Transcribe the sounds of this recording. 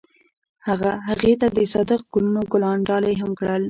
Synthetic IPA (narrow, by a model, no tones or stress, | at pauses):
haɣaɦaɣet̪ad̪əsɑd̪əqɡʊlunoɡʊlɑɳɖɑlejɦamkɽəl